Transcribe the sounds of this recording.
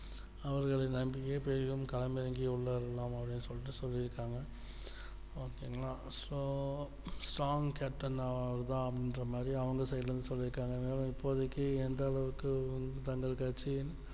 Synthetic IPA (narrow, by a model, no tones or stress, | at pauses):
ɐʋɐɾɣɐɭɐnɐmbɪkeːpeːɾɣɯmkɐlɐmɪɾɐŋɡiʊɭːɐɾɐlaːmɐpːɐɽɪnːɯsɔlːɪʈ̬ːɯsɔlːiɾɯkːaːŋɡɐ | oːkeːŋɡɐɭãːsoː | sʈɾaːŋkaːp̚ʈːɐnɐʋɐɾt̪ãːɐpɪndrɐmaːd̪ɾiɐʋɐŋɡɐsɐjlɾɯnd̪ɯsɔlːɪɾɯkːaːŋɡɐðnaːlɐ̃mɪpːoːɐðɯkːɯɛnd̪ɐːɭɐʋɯkːɯnt̪ɐŋɡɐɭkɐɾt͡ʃːi